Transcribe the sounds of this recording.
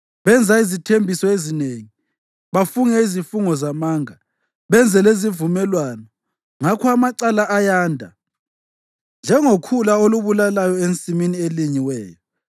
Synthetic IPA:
βɛnd͡zʱaizitʰembʱisɔezineŋi | βafuŋɛizifuŋɔzamaːŋa | βɛnd͡zʱɛlezivumɛlwanɔ | ŋakʰɔamaǀalaʔajaːndʱa̰ | nd͡ʒʱɛŋokʰulaoluβulalajɔent͡sʼiminieliɲiwɛ̰ːjɔ

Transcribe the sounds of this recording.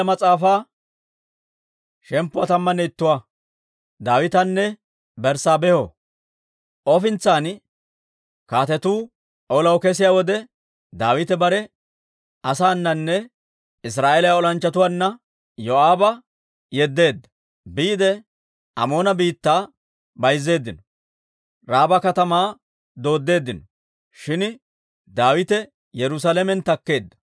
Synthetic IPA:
mɐt͡sʼaːfaː | ʃɛmpːʊwat̪ɐmːɐnɛɪt̪ːʊwa | d̪aːwɪt̪ɐnːɛ | bɛɾsaːbɛho | ʔɔfɪnt͡sːaːn | kaːt̪ɛt̪uː | ʔɔlɐwkɛs̬ɪjaːwɔd̪ɛ | d̪aːwɪt̪ɛbɐɾɛ | ʔɐsaːnːɐnːɛ | ɪs̬ɾaːʔelɐjaɔlɐnt͡ʃːɐt̪ʊwanːɐ | jɔaːbɐ | jɛd̪ːe̞ːd̪ːɐ̥ | biːd̪ɛ | ʔɐ̰mo̞ːnɐbiːt̪ːaː | bɐjzːe̞ːd̪ːɪnɔ | ɾaːbɐkɐt̪ɐmaː | d̪o̞ːd̪ːe̞ːd̪ːɪnɔ | ʃɪn | d̪aːwɪt̪ɛ | jɛɾʊs̬aːlɛmɛnt̪ɐkːe̞ːd̪ːɐ̥

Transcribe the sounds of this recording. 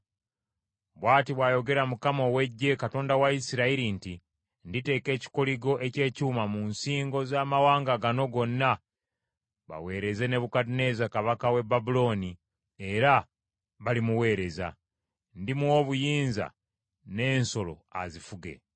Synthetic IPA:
βwaːtiβwaːjo̞ɡe̞ɾamukamo̞we̞ɟːe̞kato̞ːndawaisiɾaiɾinti | ndite̞ːke̞ːci̥koliɡo̞ʔe̞ce̞ːcuːmamunsiːŋɡo̞zaːmawaːŋɡaɡano̞ɡo̞nːa | βa̰we̞ːɾe̞ze̞ne̞βukadine̞ːzakaβakawe̞babulo̞ːni | e̞ɾa | βalimuwe̞ːɾe̞za̰ | ndimuwo̞ːβujiːnza̰ | ne̞ːnso̞lo̞̰a̰zifuɡe̞̰

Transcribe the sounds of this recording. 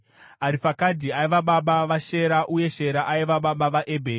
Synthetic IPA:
aɾifakadʱiaiʋaɓaɓaʋaʃe̞ɾaʔuje̞ʃe̞ɾaʔaiʋaɓaɓaʋaʔebʱeːri

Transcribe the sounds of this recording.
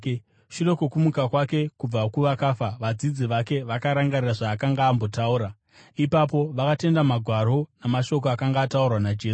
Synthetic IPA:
ʃiro̞kokumukakwake̞kub͡vakuʋakafaʋad͡zid͡ziʋake̞ʋakaɾaŋɡariraʐaːkaŋɡaːmbo̞tauːɾa | ipap̬o̞ʋakate̞ndamaɡʱwaɾo̞namaʃo̞k̬oakaŋɡaːtaurwanad͡ʒeː

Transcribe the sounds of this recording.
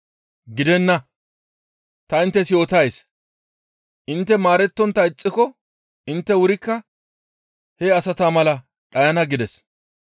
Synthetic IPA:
ɡɪd̪ɛnːɐ | t̪ɐɪnt̪ːɛsɪjo̞ːt̪ɐjs | ʔɪnt̪ːɛmaːɾɛt̪ːɔnt̪ːɐɪt͡sʼːɪkɔ | ɪnt̪ːɛwʊɾɪkːɐ | hɛɐsɐt̪aːmɐlɐ | ᶑɐjɐnɐɡɪd̪ɛs

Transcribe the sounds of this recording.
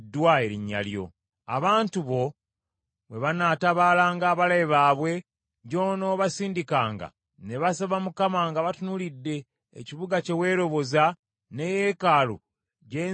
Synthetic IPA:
dːwaeɾiɲːa̰ljo̞̰ | a̰βaːntuβo̞ | βwe̞βanataβalaːŋɡaːβalajiβaːβwe̞ | ɲɟoːno̞βasiːndikaːŋɡa̰ | ne̞βasaβamukamaːŋɡaβatunulidːe̞̰ː | ciβuɡace̞we̞ːɾo̞βo̞za | ne̞je̞kaːlo̰ | ɟeː

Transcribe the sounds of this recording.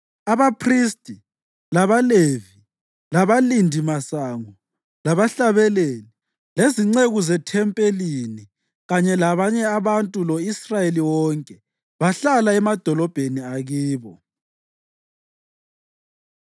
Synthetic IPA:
aβapʰristʼi | laβalevi | laβalindʱimasaŋɔ | laβaɬaβɛleni | leziŋ͡ǀeɣuzɛtʰɛmpʼelini | ɣaɲɛlaβaɲɛaβantʼulɔisrajeliwɔŋkʼɛ | βaɬalaɛmad̥ʱɔlɔb̥ʱeniaɣiːβɔ

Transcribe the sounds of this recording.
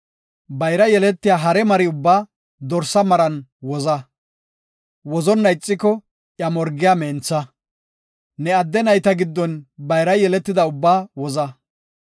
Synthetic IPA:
bɐjɾɐjɛlɛt̪ːɪjaːɦɐɾɛmɐɾɪʊbːaː | d̪ɔɾsɐmɐɾɐnwɔzɐ | wɔzɔnːɐjɪt͡sʼːɪkːɔ | ʔjɐmɔɾɡɪjaːmeːnt͡sːɐ | nɛɐd̪ːɛnɐjt̪ɐɡɪd̪ːɔnbɐjɾɐjɛlɛt̪ːɪd̪ɐʊbːaːwɔzɐ

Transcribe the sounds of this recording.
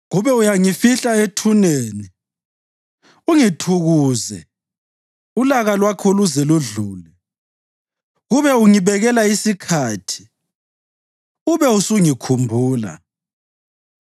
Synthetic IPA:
ɣuβɛujaŋifiɬaetʰuneːni | uŋitʰuɣuːzɛ | ulaɣalwakʰoluzɛluɮuːlɛ | ɣuβɛuŋiβɛɣɛlaisikʰaːtʰi̥ | uβɛusuŋikʰumbʱuːla̰

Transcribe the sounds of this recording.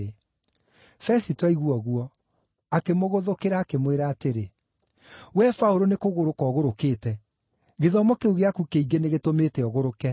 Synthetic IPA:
e | fɛsitwaiɣwɔɣuɔ | akemoɣoðokeɾaːkemweɾaːteɾe | wɛfaoɾonekoɣoɾokɔːɣoɾokeːtɛ | ɣeðɔmɔkeuɣeakukeiɡeneɣetometeɔɣoɾokɛ

